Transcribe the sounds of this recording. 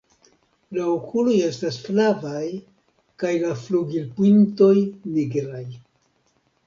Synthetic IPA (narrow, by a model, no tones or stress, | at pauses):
laokʰulo̞je̞stasflavaj | kajlafluɡilpinto̞jniɡɾaj